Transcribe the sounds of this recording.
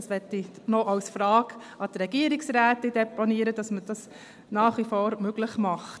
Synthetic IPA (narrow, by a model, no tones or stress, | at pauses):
sʋɛtːi | nɔʔɑwsfɾɑːɡ | ɑdɾɛɡ̥iəɾiksɾæːtid̥ɛponiəɾəd̥ɑsməd̥ɑs | nɑːχʋifoːɾmøɡləχmɑχt